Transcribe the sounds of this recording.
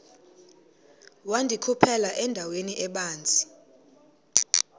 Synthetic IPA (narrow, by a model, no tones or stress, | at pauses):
wandʱikʰupʰɛlaʔɛndʱaweniʔɛɓaːnt͡sʼi̥